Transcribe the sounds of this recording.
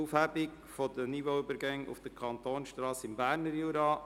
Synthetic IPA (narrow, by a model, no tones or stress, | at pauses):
ufhæbɪk | fod̪ənivoybəɾɡæŋṵfd̥əkʰɑnt̪oːnsʃtɾɑːsɪmbæːɾnəɾjuːɾɑ